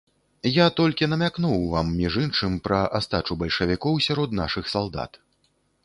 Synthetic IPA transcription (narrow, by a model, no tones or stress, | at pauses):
jat̪ɔlʲkʲinɐmʲaknuwvamːʲiʐɨnʂɨmpɾɐʔast̪at͡ʂubɐlʲʂɐvʲikɔwsʲaɾɔd̪naʂɨxsalˠd̪a̰t̪